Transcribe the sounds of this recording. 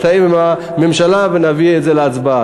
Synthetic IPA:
taimima | memʃalavenavietzeleat͡sbaa

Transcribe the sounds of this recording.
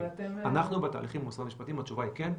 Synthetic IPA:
anaχnubeta̰ːliχimmusamiʃpat̪iimhat͡ʃuvaiken

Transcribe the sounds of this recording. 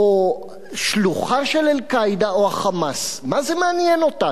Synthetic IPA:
o | ʃluχaʃelelkajd̪aoaχamasmazemeanjeno̞ta

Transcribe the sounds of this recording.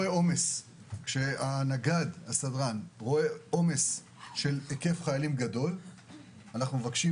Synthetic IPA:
eo̞me̞s | kʃeanaɡadhasadʁanʁo̞e̞o̞me̞s | ʃe̞leke̞fχajalimɡado̞l | anaχnumevakʃi

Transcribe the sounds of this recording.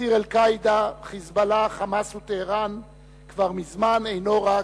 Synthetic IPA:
iʁelkajd̪aχizbalaχamashut̪eːʁan | kvaʁmizmanejno̞ʁa

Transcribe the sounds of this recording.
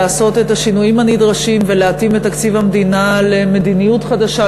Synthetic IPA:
aːso̞t̪e̞thaʃinujimanid̪ʁaʃimveleatimet̪ːakt͡sivhamdinaleme̞d̪inijutχadaʃa

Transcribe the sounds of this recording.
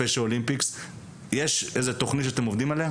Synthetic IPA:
eʃeolimpiks | jeʃʔezet̪oχnit̪ʃeat̪emovd̪imaleha

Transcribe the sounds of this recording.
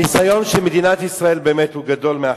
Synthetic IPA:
isajo̞nʃemed̪inat̪isʁae̞lbeːmet̪huɡad̪o̞lmea

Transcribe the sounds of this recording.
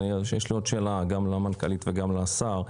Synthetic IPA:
ʃjeʃlio̞dʃeːlaɡamlamankalit̪veɡamlaːsaʁ

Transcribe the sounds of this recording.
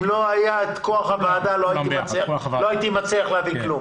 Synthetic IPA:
mloajaetkoaχavaːd̪aloajit̪imat͡sealoajit̪imat͡seaχleaviklum

